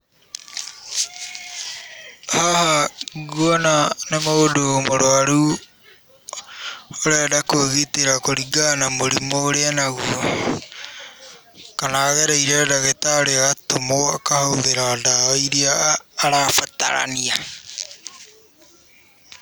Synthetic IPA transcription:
hahaɣwɔnanemoodomoɾoaɾu | oɾɛdakoɣiteɾakoɾiɡanamoɾimoːɾeanaɣu | kanaːɣɛɾaiɾɛdaɣetaoɾeɣatomoakahouðeɾaːdaiɾiaːɾafata̰ɾa̰nia

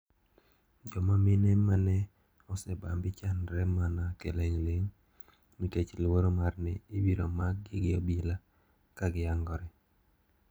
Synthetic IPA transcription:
d͡ʒɔmamɪnɛmanɛ | ɔsɛbambɪt͡ʃanɾɛmanakeleŋleŋ | mitet͡ʃlwoɾomarnɪːbiɾomaɡ̚ɡɪɡɪobila | kaɡɪaŋɡɔɾɛ

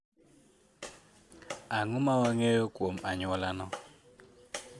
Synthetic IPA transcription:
aŋumawaŋejɔkʼom̩ʔaɲɔlanɔ

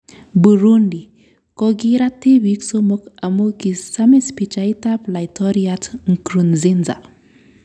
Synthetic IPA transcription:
buɾundi | kɔɡiɾatibiksomokamukisamispit͡ʃaitaplaitʰɔɾiatŋ̩kɾunzinza̰

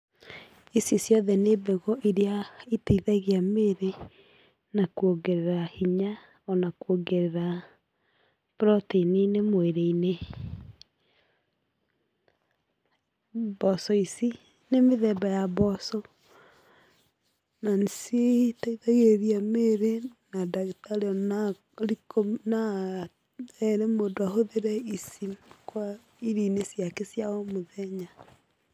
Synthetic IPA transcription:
isisjɔðɛnebeɣɔʔiɾeaitaiðaɣeameɾe | nakuoɡeɾeɾahiɲa | ɔnakuoɡeɾeɾa | pɾɔtiininemoeɾeine | bɔsɔisi | nemeðɛbajaβɔsɔ | nansjetaiðaɣeɾiameɾenadaɣetaleɔna | ɾikona | ɛɾemodoaɦoðeɾɛisikwa | iɾiːnesjakesjaɔmoðɛɲa

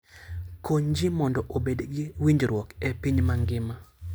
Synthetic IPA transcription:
koɲd͡ʒɪmɔndɔʔobedɡiwiɲd͡ʒɾwɔkepiɲmaŋɡɪma

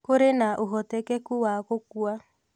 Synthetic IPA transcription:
koɾenaʔoɣɔtɛkɛkuwakokua

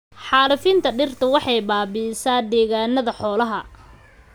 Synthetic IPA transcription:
ħɑːlɐfɪnt̪ʰɐɖɪrt̪ʰɐwɑħɑjbaːbisaːd̪ɛːɣaːnɐðɐħɔːlɐɦɐ

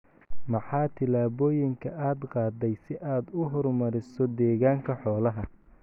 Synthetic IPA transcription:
mɑħɑːt̪ʰɪlaːβɔːjɪŋkʰɐʔaːd̪qɑːd̪ɛjsɪʔaːd̪ʊɦɔrmɐɾɪsɔd̪ɛːɣaːŋkʰɐħɔːlɐɦɐ

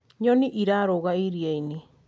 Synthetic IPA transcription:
ɲoniʔiɾaɾoɣaiɾiajni

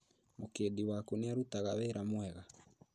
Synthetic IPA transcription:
mokediwakoneaɾutaɣawɛɾamwɛɣa

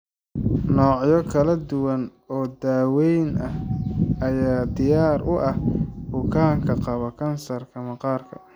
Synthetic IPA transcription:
nɔːʕjɔkʰɐlɐd̪ʊwɐn | ɔːd̪aːwɛjnʔɐhɐjaːd̪ɪjaːrʊʔɐhbʊkʰaːŋkʰɐqɑβɐkʰɐnsɐrkʰɐmɐqɑːrkʰɐ̰

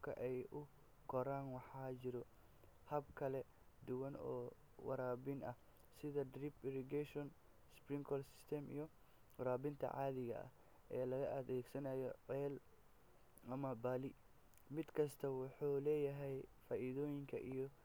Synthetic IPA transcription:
kʰɐ̰ʔɛjʔʊ | kʰɔɾaːnwɑħɑːt͡ʃɪɾɔ | hɐbkʰɐlɛ | d̪ʊwɐnɔ̰ː | wɐ̰ɾaːbɪnɐ | sɪðɐdripɪɾɪɡɛʃɔn | sprɪŋkʰɔːlsɪ̥st̪ʰɛmḭjɔ | wɐɾaːbɪnt̪ʰɐ̰ʕɑːðɪɣɐ̰ʔɐ̰h | ʔɛːlɐɣɐʔɐðɛːɡsɐnaːjɔʕɛːl | ʔɐmɐbaːlɪ | mɪd̪kʰɐst̪ʰɐwʊħuːlɛːjɐɦɛjfaːʔiðɔːjɪŋkʰɐʔijɔ

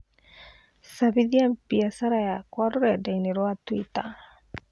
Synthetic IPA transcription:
saβiðiampiasaɾajakwaɾoɾɛdaineɾwatwita

